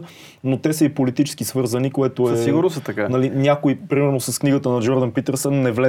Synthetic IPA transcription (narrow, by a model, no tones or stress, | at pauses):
not̪ɛsəipolit̪it͡ʃɛ̥skisvɤɾzənikoɛt̪oɛsiɡʊɾnosɛt̪ɐkanɐlinʲakoipɾimɛɾnosɐskniɡət̪ənɐd͡ʒɔɾd̪ənpit̪əɾsənːɛvlɛ